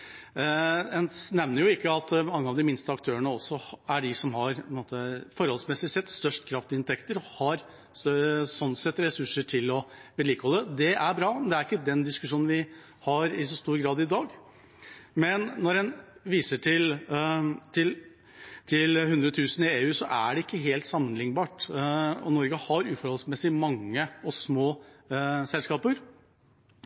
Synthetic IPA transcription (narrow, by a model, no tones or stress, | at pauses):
ɛnnɛʋnəɾjʊɪkːəɑt̪mɑŋːəɑʋd̪ɪmɪnst̪əɑkt̪ʰøːɾəɳəɔsɔæɖɪsɔmɦɑɾʰɔnmoːt̪əfɔɾhɔlsmɛsɪsɛt̪ːst̪œʂʈkʰɾɑft̪ɪɪnt̪ʰɛkt̪əɾɔhɑɾ | sɔnsɛt̪ːɾɛsʉʂəʈʰɪlɔʋɛliːkəhɔlːəd̪ɛʔæɾbɾɑːnd̪ɛæɾɪkːəd̪ɛnd̪ɪskʉʂuːnn̩ʋɪ | hɑɾɪsɔst̪uːɾɡɾɑːd̪ɪd̪ɑːɡ | mɛnːɔɾɛnʋiːsəʈʰɪl | t̪ʰɪl | t̪ʰɪlhʉnd̪ɾət̪ʰʉːsn̩ɪeːʉːsɔʔæ̰ɖɛɪkːəɦeːlt̪sɑmːənlɪŋːbɑːʈɔ̰nɔɾɡəhɑɾʉːfɔɾɔlsmɛsɪmɑŋːəɔsmoː | sɛlskɑːpəɾ